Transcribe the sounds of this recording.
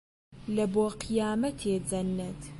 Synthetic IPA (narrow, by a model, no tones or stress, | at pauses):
lɐboːqijaːmɐt̪ʰeːd͡zɐnːɐt̪